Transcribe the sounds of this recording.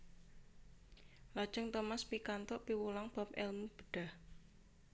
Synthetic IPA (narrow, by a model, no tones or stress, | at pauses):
lḁʒ̥ə̤ŋt̪omaspikant̪ɔʔpiwulaŋb̥a̤p̚ɛlmub̥ə̥ɖ̥a̤h